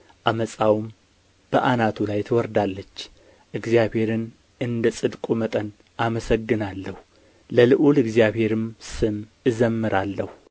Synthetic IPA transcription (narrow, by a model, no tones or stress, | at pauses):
ʔaməsʼawm | b̥əʔanat̪ʰulajt̪ʰəwɔɾd̪alːət͡ʃː | ʔɨɡzijaβhe̞ɾɨn | ʔɨnd̪əsʼɨd̪kʼumət̪ʼən | ʔaməsəɡːɨnalːəhu | ləlɨʔulɨɡzijaβhe̞ɾɨmsɨmɨzəmːɨɾʔalːəhu